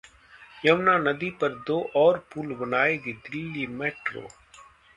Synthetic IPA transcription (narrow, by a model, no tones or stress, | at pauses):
jɐmnanɐd̪ipɐɾd̪oːʔɔːɾpuːlbənaːeːɡid̪ɾiːliːmeːʈɾo̰ː